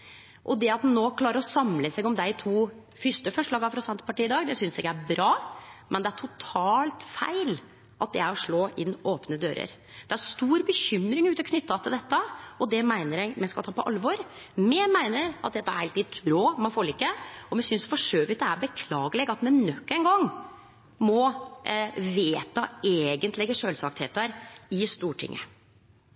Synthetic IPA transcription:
ʔɔd̪ɛɑt̪mɛnoːkʰlɑːɾəɾɔsɑmləsɛɡɔmd̪æt̪ʰuː | fʏʂʈ̪əfœʂɭɑːɡɑfɾɑsɛnt̪əpɑʈiːɪd̪ɑːɡd̪ɛsʏnsɪkːəæɾbɾɑːmɛnd̪ɛæʈʰʊt̪ʰɑːlt̪fæ̰ɪl | ʔɑt̪̚d̪ɛæɾɔʂɭoːʔɪnːʔoːpnəd̪ø̰ːɾə̰ɾ | d̪̥ɛæɾst̪uːɾbəçʏmːɾɪŋʉːt̪əɔkʰnʏt̪ːɑt̪ʰɪld̪ɛt̪ːəɔd̪ɛmæɪnəɾɛɪmɛnskɑlt̪ʰɑːpʰɔʔɑlʋɔɾ | mɛmæɪnəɾɑ̰t̪̚d̪ɛt̪ːɑæɾhɑlt̪ɪt̪ʰɾoːmɛfoːlɪkːəɔmɛsʏnsfɔʂøːʋɪt̪əæɾbəkʰlɑːɡəlɛɡɑt̪mɛnnœkːæɪŋɡɔŋː | mɔ | ʋeːt̪ɑeːɡənt̪lɛɡəʂøːlsɑk̚t̪hḛːt̪əɾɪst̪uːʈʰɪ̰ŋːə̰

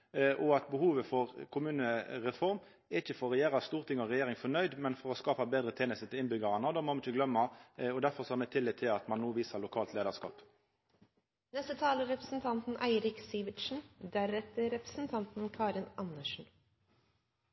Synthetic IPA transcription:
ʔɔɑt̪bəhuːʋəfɔʁkʰʊmʉːnəɾɛfɔʁm | ɛɪçəfɔɾɔɛjeːɾɑst̪uːʁt̪ʰɪŋːɔʁɛjeːʁɪŋfɔnœʏd̪mɛnfɔɾɔskɑːpɑbeːd̪ɾət̪ʰeːnəst̪ət̪ʰɪlɪnbʏɡɑʁɑnəd̪oːmɔʋnɪçəɡlœmːɑɔd̪æɾfɔʁsɔhɑmɛt̪ʰɪlːɪːt̪ʰːɪlɑt̪mɑnːuːʋiːsəʁlʊkʰɑːlt̪leːd̪ɑʁskɑ̰ːp | nɛst̪ət̪ʰɑːləɾɛpɾəsn̩t̪ʰɑnt̪n̩ʔæɪɾɪksiːʋɪt̪ʃn̩d̪æɾɛt̪əɾɛpɾə̥sn̩t̪ʰɑnt̪n̩kʰɑːɾɪnɑnəʂɳ̩

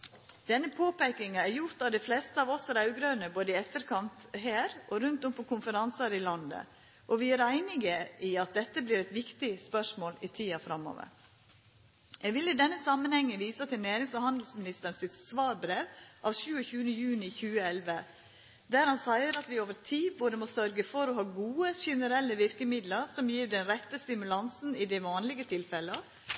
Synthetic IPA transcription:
d̪̥ɛnːəpʰoːpɛɪkɪŋɑæɾjʊɾt̪ɑʋd̪ɛɪflɛst̪əɑːʋɔsæɾɑʉɡɾœnəboːd̪əɪɛt̪ːəɾkʰɑnt̪ɦæːɾɔɾʉnt̪ɔmpʰɔkʰʊnfəɾɑnsɑɾɪlɑnd̪ə̰ | ʔɔʋɪæɾæɪnɪɡəiːɑt̪̚d̪ɛt̪ːəbliːɾɛt̪ʋɪkt̪ɪspœʂmoːlɪt̪ʰiːɑfɾɑmːo̰ːʋə̰ɾ | jɛɡʋɪlːɪd̪ɛnːəsɑmːənhɛŋːəʋiːsət̪ʰɪlnæːɾɪŋsɔhɑnd̪l̩smɪnɪst̪əɾnsɪt̪sʋɑːɾbɾeːʋʔɑʋʃʉːəçʉːənəjʉːnɪçʉːəɛlʋə | d̪æɾhɑnsæɪəɾɑt̪ʋɪoːʋəɾtʰiːboːd̪əmɔsœɾɡəfɔɾɔhɑːɡuːəçɛnəɾɛlːəʋɪɾkəmɪd̪ləɾsɔmjiːɾɖɛnɾɛt̪ːəst̪ɪmʉlɑnsn̩ɪd̪ɛʋɑːnlɪɡət̪ʰɪlfɛlːə

